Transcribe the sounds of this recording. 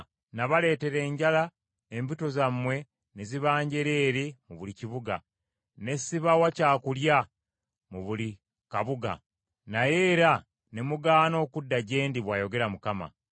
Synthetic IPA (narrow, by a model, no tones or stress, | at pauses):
naβale̞ːte̞ɾe̞ːɲɟala | embito̞zamːwe̞ | neziβaːɲɟe̞ɾe̞ːɾimuβuliciβuɡa̰ | ne̞siβawacaːkulja | muβuli | kaβuɡa̰ | naje̞ːɾa | ne̞muɡaːno̞ːkudːaɟe̞ːndiβwaːjo̞ɡe̞ɾamukama̰